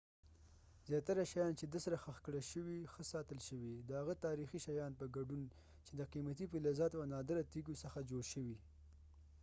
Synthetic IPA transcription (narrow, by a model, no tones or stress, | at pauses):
zjɑt̪aɾaʃajɑnt͡ʃed̪əsɾaxəxkɽəʃəwixəsɑt̪əlʃəwid̪əhaɣat̪ɑɾixiʃajɑnpəɡaɖun | t͡ʃed̪əqimat̪ipɪlɑzɑt̪wanɑd̪əɾat̪iɡosəxad͡ʒoɽʃəwi